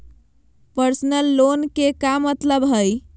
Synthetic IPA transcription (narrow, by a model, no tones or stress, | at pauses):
pəɾsnəlːonkekamət̪ləbɦəj